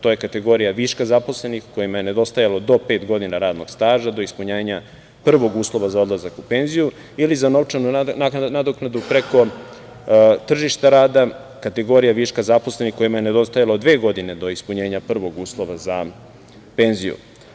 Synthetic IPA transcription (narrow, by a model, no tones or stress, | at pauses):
t̪oje̞kat̪e̞ɡo̞ɾijaʋiʃkazapo̞sle̞nixko̞jimajene̞d̪o̞st̪ajalod̪o̞pe̞ːt̪ɡo̞d̪inaɾaːd̪no̞̰ɡ̥st̪aːʒad̪o̞ispuɲeːɲa | pr̩ʋo̞ɡuːslˠo̞ʋazao̞d̪lˠazakupe̞nziju | ilizano̞ʋt͡ʂanunanad̪oknad̪upɾeko̞ | t̪r̩ʒiʃt̪aɾaːd̪a | kat̪e̞ɡo̞ɾijaʋiʃkazapo̞slenixko̞jimajened̪o̞st̪ajalod̪ʋe̞ːɡo̞d̪ine̞d̪o̞ispuɲeːɲapr̩ʋo̞ɡuːslˠo̞ʋaza | pe̞ːnzijṵ